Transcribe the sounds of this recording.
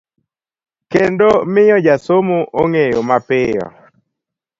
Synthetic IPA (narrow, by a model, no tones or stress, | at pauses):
kendomɪjɔd͡ʒasomoʔoŋejomapɪjɔ̰